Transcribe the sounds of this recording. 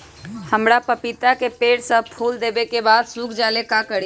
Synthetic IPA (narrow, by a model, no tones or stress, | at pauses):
həmɽapəpɪt̪akepeːɽsəpʰuːld̪eːbekebaːd̪suːkʰd͡ʒaːlekakəɽi